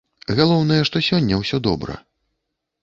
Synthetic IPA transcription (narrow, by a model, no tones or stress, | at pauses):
ɣalˠɔwnɐjɛʂt̪ɔsʲɔnʲːɐwsʲɔd̪ɔbɾɐ̰